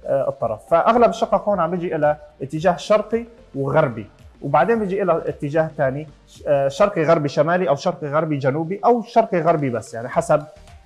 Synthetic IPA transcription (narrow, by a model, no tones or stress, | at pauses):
ʔɨ̰t̪ˤːɑɾˤɑ̰fːaʔaɣlabʃːɑqːɑhoːnʕambjɪd͡ʒiʔɪlaʔɪt̪ːɪd͡ʒaːhʃɑɾˤqi | wɣɑɾˤbiwbaʕd̪eːnbɪd͡ʒiʔɪlaʔɪt̪ːɪd͡ʒaːht̪aːni | ʃɑɾˤqiɣaɾˤbiʃamaːliʔawʃɑɾˤqiɣaɾˤbid͡ʒanuːbiʔawʃɑɾˤqiɣaɾˤbibasːjaʕniħasab̚